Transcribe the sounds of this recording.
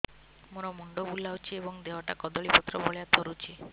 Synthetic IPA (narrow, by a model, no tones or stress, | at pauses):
muɾɔmuɳɖɔbulawt͡ʃʰiebɔŋd̪ewɔʈakɔd̪ɔɭipɔt̪ːɾɔbɔɭjat̪ʰɔɾut͡ʃʰi